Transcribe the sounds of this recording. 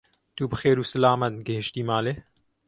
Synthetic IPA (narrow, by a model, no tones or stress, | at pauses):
d̪̥uːbɨxeːɾuːsəlaːmɐt̪̚ɡəhɪʃt̪iːmaːle